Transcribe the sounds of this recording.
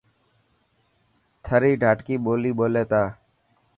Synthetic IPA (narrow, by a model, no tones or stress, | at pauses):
t̪ʰaɾiɖʱaʈkibolibolet̪a